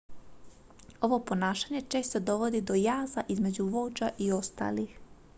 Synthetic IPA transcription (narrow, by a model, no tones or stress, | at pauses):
o̞ʋo̞po̞naːʃaɲe̞t͡ʃe̞ːst̪od̪o̞ʋo̞d̪id̪o̞jaːzaʔizme̞d͡ʑuʋo̞d͡ʒaʔio̞st̪a̰ːlix